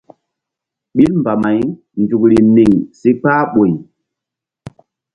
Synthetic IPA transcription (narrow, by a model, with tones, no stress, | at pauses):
ɓi˦lmba˨ma˨j | ndu˨kɾi˨ni˨ŋsi˦k͡paː˦ɓo˨j